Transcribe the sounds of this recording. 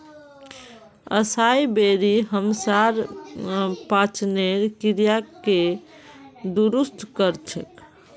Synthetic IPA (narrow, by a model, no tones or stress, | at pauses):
ə̰sajbeɾiɦəmsaɾ | pat͡ʃneɾkiɾjake | d̪uɾust̪ʰkəɾt͡ʃʰə̰k